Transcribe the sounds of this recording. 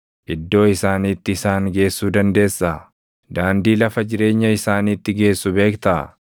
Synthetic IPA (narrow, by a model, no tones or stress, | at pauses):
ʔɪd̪ːo̞ːɪsaːniːt̪ːɪːsaːŋɡe̞ːsːuːd̪ɐnd̪e̞ːsːa | d̪aːnd̪iːlɐfɐd͡ʒɪɾe̞ːɲːɐɪsaːniːt̪ːɪɡe̞ːsːʊbe̞ːkt̪ɐ̰